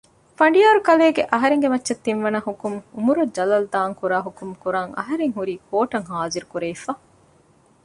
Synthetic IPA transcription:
fɐɳɖijaːɾukɐleːɡeʔɐɦɐɾeŋɡemɐtːʃɐt̪ːinʋɐnɐɦukumumuɾud͡ʒɐlɐld̪aːŋkuɾaːɦukumkuɾaːŋɐ̰ɦɐɾeŋɦuɾiːkoːʈɐŋɦaːziɾukuɾeifɐ

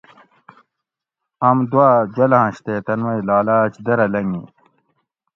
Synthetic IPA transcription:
ɐmd̪waːd͡ʑwɐlaãːɕt̪et̪ɐnwɐjlaːlaːt͡ɕd̪ɐɾɐlɐŋɡḭ̃

